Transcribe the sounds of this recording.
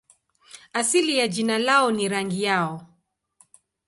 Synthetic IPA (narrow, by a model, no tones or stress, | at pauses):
asilijad͡ʒinalaɔniɾaŋɡijaɔ